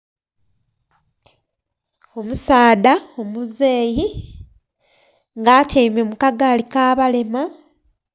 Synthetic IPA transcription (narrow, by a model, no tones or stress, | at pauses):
o̞musaːdaomuzeːji | ŋɡaːtʰeːmemukaɡaːlikaːβale̞ma